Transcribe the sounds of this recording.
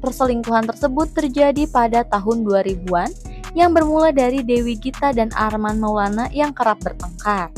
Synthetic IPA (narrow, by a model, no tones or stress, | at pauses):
pərsəliŋkuɦant̪ərsəbʊt̪ːərd͡ʒadipadat̪aɦʊnduaɾibuan | jaŋbərmuladaɾidewiɡit̪adana̰rmanmawlanajaŋkəɾap̚bərt̪əŋkat̪̚